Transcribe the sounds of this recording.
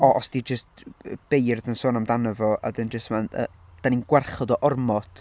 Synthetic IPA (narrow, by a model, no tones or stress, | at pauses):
ɔʔɔsd̥id͡ʒəst̚b̥ejrðənsoːnamdanəvɔʔa̰dənd͡ʒəstmanə̰ | d̥aninɡwɛrχɔdɔʔɔrmɔtʰ